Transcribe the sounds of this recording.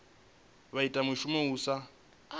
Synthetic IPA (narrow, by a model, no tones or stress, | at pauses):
βaitʼamʊʃumɛuːsa